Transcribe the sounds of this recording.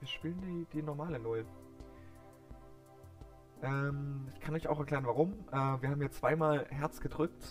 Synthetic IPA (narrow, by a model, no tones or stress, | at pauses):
viːɐʃpiːləndiːd̥iːnɔɐmaːlənʊl | ʔɛːmɪçkʰanɔʏça̰ʊxɛɐkl̥ɛːʁənvaʁʊmʔɛːviːɐhaːbmjaːt͡sv̥aɪmaːlɦɛɐt͡sɡ̥ədʁʏkt